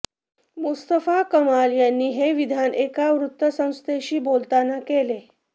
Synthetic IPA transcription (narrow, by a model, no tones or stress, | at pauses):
must̪əfakəmaljanːiːɦeʋid̪ʱanekaʋɾut̪ːəsə̃w̃st̪eɕiːbolt̪anakele